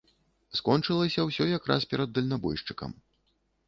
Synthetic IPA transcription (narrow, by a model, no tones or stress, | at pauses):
skɔnt͡ʂɨlˠɐsʲɐwsʲɔjakɾʔa̰spʲɛɾɐd̪ːɐlʲnabɔ̰jʂt͡ʂɨkɐ̰m